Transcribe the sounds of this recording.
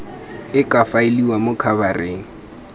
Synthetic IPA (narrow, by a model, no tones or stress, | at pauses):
ɪkʼafaɪliwamʊkʰabareːŋ̩